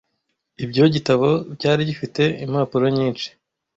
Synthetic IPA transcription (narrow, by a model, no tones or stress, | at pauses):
ibɟo̞ɟitaβo̞bɟaːɾiɟifite̞imhaːpuɾoɲiːnt͡ʃi̥